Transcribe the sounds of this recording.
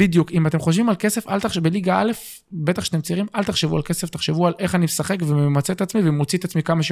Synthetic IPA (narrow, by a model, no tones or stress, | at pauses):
bid̪jukimat̪emχoʃvimalke̞se̞fa̰lt̪aχʃbeliɡaale̞f | be̞t̪aχʃeat̪emt͡siʁimʔalt̪aχʃevua̰lke̞seft̪aχʃevualʔe̞χanimesaχe̞kvememat͡seet̪at͡smivemot͡sit̪at͡smikamaʃe